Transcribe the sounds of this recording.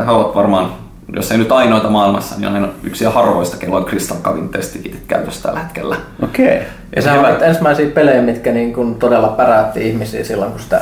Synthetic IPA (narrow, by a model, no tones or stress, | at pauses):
heoʋɑt̪ʋɑrmɑːn | jo̰sːeinyt̪ɑinoit̪ɑmɑːilmɑsːɑnḭnɑiny̰ksiæhɑrʋo̰ist̪ɑ̥kelːolʲkrist̪ɑŋkːɑʋint̪ːest̪ʋikit̪i̥t̪kæ̰yt̪øsːt̪æ̰lːæhe̥t̪kḛlːæokei | jɑ̰sehæt̪ensmæisiːpelejmit̪kæniːŋkunt̪odelːɑpæræøt̪ːḭːihmisḭːsilːoŋkusi̥t̪æ̰